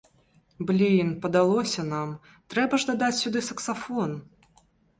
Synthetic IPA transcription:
blʲinpɐd̪alˠɔsʲɐnam | t̪ɾɛbɐʐd̪ad̪at͡sʲsʲud̪ɨsɐksafɔn

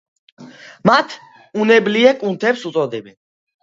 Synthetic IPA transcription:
mat̪ʰ | unɛbliɛkʼunt̪ʰɛpsut̪sʼɔd̪ɛbɛn

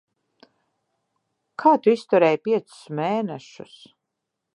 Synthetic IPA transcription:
kʰaːt̪uist̪uɾɛːjpʲiɛt̪sʊ̥smeːnɛʃṵs

